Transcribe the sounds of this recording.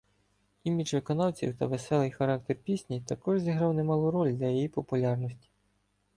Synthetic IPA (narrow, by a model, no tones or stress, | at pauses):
imʲit͡ʃʋɪkɔnɑwt͡sʲḭwt̪ɐʋesɛlˠɪjxɐɾɑk̚t̪erpʲisʲnʲit̪ɐkɔʒzʲiɦɾɑwnemɑlˠuɾɔlʲd̪lʲɐjijipɔpʊlʲɑrnɔsʲtʲi̥